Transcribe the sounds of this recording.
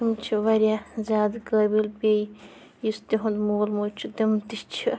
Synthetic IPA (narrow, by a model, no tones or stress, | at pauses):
imt͡ʃʰiʋɐɾʲjazʲaːd̪kəːbilpʲej | jist̪iɦũnd̪moːlmuːt͡ʃʰid̪imt̪it͡ʃʰi